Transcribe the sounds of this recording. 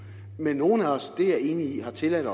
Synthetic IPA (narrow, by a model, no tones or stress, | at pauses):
menːo̝ːn̩æɒ̽sd̥e̝æɐe̝̰ːniihɑ̈t͡sʰe̝læɾ̥ɒ̽